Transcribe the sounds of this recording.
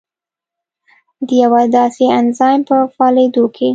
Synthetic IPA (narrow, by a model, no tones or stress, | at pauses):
d̪əjawad̪ɑseanzɑjmpəfɑled̪okʰe